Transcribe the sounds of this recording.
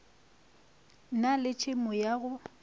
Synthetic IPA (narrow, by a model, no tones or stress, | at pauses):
nalɪt͡ʃʰʼɪmʊjaɣʊ